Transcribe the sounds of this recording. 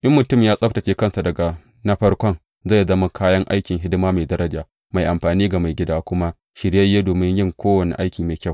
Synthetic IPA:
ʔɐ˦mːʊ˨tʊ˦˨mjaː˦sʼɐ˦ɸtɐ˨t͡ʃeː˦kɐ˦nsa˨dɐ˨ɡa˨ | nɐ˦ɸɐ˦rkʷɔ˦ŋ | za˦˨zɐ˦ma˦kʰaː˦jɐ˦ŋʔa̰˦jkʲɪ˨ŋɦɪ˦dɪ˦maː˦ma˨dɐ˦ɾɐ˦d͡ʒaː˨ | ma˨jʔa˨mɸaː˨niː˦ɡa˨ma˨jɡʲɪ˦daː˦kʷʊ˦ma˦ | ʃɪ˨ɽjɐ˦jːe˦doː˨mɪ˦ŋjɪ˦ŋkʷoː˦wɐ˨nḭ˨ʔa˦jkʲiː˨maː˨jkʲa˦˨w

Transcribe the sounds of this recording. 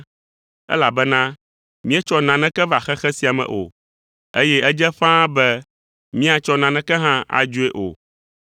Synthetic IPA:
ɛ̰˦la˨bɛ˦nã˦ | mĩ˦ɛ˦t͡ʃɔ˦nã˨nɛ̃˦kɛ˦va˨xɛ˦xɛ˦si˨a˨mɛ̰̃˨ʔo̰˨ | e˦jɛ˦ɛ˦d͡ʒɛ˦ɸã˦bɛ˦ | mĩ˦a˨t͡ʃɔ˦nã˨nɛ̃˦kɛ˦ɦã˦a̰˨d͡ʒu˦e˦ʔo̰˨

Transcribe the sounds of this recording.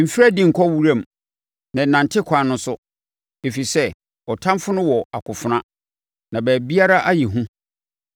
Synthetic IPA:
m̩˨fi˦ɾa˦dĩ˦˨ŋ̩˨kʰɔ˦wu˦ɾã˦˨m˨ | nã˨nã˨ntʰɪ˦kʷʰa˨˦nʊ̃˦sʊ˦ | e˨fi˨sɛ˦ | ɔ˨tʰã˦mfʊ˦nʊ̃˦wɔ˨a˨kʰʊ˨fʊ˨nã˦ | nã˨bæː˨bi˦a˦ɾa˦ʔa˦ji˨ɦũ˦

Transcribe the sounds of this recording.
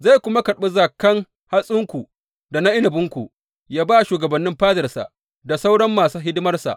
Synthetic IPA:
za˦˨jkʷʊ˦ma˦kɐ˨ɽɓɐ˦zaː˨kɐ˦ŋ | ha˦sʼʊ˦ŋkʷu˨ | da˨na˦ʔɪ˦nɪ˨bʊ˦ŋkʷu˨ | jaː˦baː˦ʃuː˨ɡɐ˨bɐ˨nːɪ˦mɸaː˦zɐ˨rsa̰˨ʔ | da˨sa˦wɽɐ˦mːaː˨suː˦ɦɪ˦dɪ˦mɐ˦rsa̰˨ʔ

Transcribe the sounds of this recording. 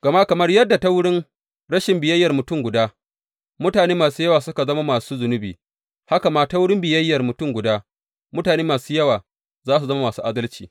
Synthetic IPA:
ɡ̥ɐ˨ma˦kɐ˨mɐ˦rjɐ˦dːa˨ta˦wʊ˦ɽɪ˦n | ɽɐ˦ʃɪ˨mbɪ˨jɐ˦jːɐ˨rmʊ˨tʊ˦˨mɡʷʊ˨daː˦ | mʊ˦taː˨neː˦maː˨suː˦jɐ˦waː˨sʊ˦ka˨zɐ˦ma˦maː˨suː˦zʊ˨nʊ˦biː˨ | ha˦ka˨maː˦ta˦wʊ˦ɽɪ˦mbɪ˨jɐ˦jːɐ˨rmʊ˨tʊ˦˨ŋɡʷʊ˨daː˦ | mʊ˦taː˨neː˦maː˨suː˦jɐ˦waː˨ | zaː˦s̬u˨zɐ˦ma˦maː˨suː˦ʔaː˦dɐ˦lt͡ʃiː˨

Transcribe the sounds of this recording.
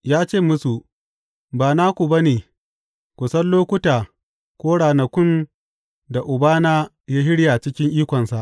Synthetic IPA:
jaː˦t͡ʃeː˦˨mʊ˦su˨ʔ | baː˨naː˦kʷu˨ba˦neː˨ | kʷʊ˨sɐ˦nloː˦kʷʊ˦taː˨ | kʷoː˦ɽaː˨nɐ˨kʷʊ˦n | da˨ʔʊ˨baː˦naː˦ | ja˦ɦɪ˦ɽjaː˨t͡ʃɪ˦kʲɪ˦ŋʔiː˦kʷɔ˨nsa˨ʔ

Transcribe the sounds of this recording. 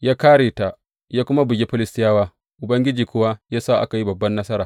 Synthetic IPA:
jaː˦kaː˦ɽeː˨ta˨ | jaː˦kʷʊ˦ma˦bʊ˨ɡʲe˦ɸɪ˦lɪ˦stɪ˦jaː˦waː˦ | ʔʊ˨bɐ˦ŋɡʲɪ˦d͡ʒiː˨kʷʊ˦wa˦jaː˦saː˦˨ʔa̰˦ka˨ji˦bɐ˨bːɐ˦nːɐ˦sɐ˦ɾaː˨

